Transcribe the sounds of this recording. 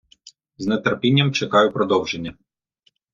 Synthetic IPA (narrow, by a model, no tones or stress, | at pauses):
znet̪eɾpʲinʲːɐmt͡ʃekɑjʊpɾɔd̪ɔwʒenʲːɐ